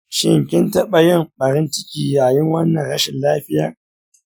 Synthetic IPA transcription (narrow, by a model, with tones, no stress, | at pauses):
ʃɪ˦˨ŋkʲɪ˦ntɐ˦ɓɐ˨jɪ˦˨mɓɐ˨ɾɪ˦nt͡ʃɪ˦kʲiː˨jaː˨jɪ˦ŋwɐ˦nːɐ˨nɽɐ˦ʃɪ˨nlaː˦ɸɪ˦jaː˨